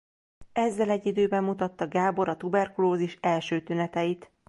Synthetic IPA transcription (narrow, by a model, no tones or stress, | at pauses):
ɛzːɛlɛɟːid̪øːbɛmːut̪ɒt̪ːɒɡaːbo̞ɾɒt̪ubɛrkuloːziʃɛlʃøːt̪ynɛt̪ɛjit̪